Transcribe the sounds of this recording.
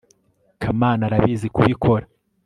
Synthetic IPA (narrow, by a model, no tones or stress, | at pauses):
kʰamaːnaɾaβiːzikuβikʰo̞ɾa